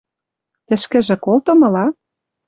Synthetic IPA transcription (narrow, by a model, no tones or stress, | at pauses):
t̪ɘ̆ʃkɘ̆ʒĕkolt̪ɤ̆mɤ̆lɑ